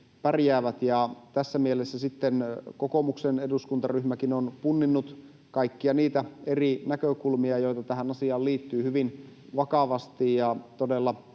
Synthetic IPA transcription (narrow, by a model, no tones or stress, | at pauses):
pærjæːʋæt̪jɑt̪æsːæmielesːæsit̪ːenkoko̞mukseneduskunt̪ɑryhmækinonpunːinːut̪ | kɑikːiɑniːt̪æerinækøkulmiɑjo̞jt̪ɑt̪æɦænɑsiɑːlliːt̪ːyːhyʋinʋɑkɑʋɑst̪ijjɑt̪odelːɑ